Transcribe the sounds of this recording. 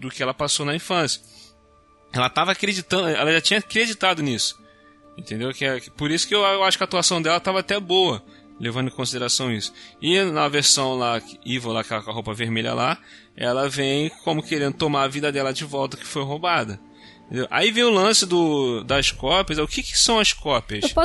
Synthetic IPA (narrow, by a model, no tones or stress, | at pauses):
d̪ʊkɪɛlɐpasonɐĩfɐ̃sjɐ̥ | ɛlɐt̪avakɾed͡ʒit̪ɐ̃d̪ʊɛ̰lɐʒat͡ʃĩɲɐkɾed͡ʒit̪ad̪ʊnisʊ̥ | ẽnt̪ẽnd̪ewkɪɛkɪpoɾisʊ̥kɪewaʃʊkʲat̪uasɐ̃w̃d̪ɛlɐt̪avɐaːt̪ɛbowɐ | levɐ̃nd̪ʊɪ̃kõsid̪eɾasɐ̃w̪̃isʊ̥ɪnɐveɾsɐ̃w̃laivɐlakɛlɐkɦowpɐveɾmeʎɐ̰lʔa | ɛ̰lɐvẽj̃kõmʊkeɾẽnd̪ʊt̪omaɾɐvid̪ɐd̪ɛlɐd͡ʒɪvɔwt̪ɐkɪ̥fojɦobad̪ɐ | ẽt̪ẽnd̪ewʔa̰ivẽj̃ʊlɐ̃sɪd̪ʊd̪ɐʃkɔpiɐzɛʊkɪkɪ̥sɐ̃w̃ɐʃkɔpiɐʃpɔ